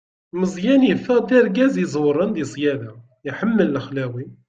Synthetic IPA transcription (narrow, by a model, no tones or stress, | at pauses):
lməzˤjænjəfæd̪əɾˤɡæzizˤwɾˤənd̪isˤjæd̪a | jħəmːəlːəxlæwi